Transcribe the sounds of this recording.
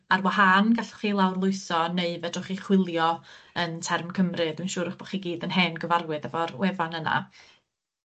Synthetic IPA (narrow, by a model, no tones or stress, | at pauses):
arwahanɡaɬχiːlˠawrlˠʊɨsɔneɨvɛdʊχiχwɪlˠjɔəntʰɛrmkʰəmrɨd̥wɨnʃuːɾəχb̥ɔχiːɡiːdənɦɛːnɡəvarwɨðɛvɔrwɛvanəna̰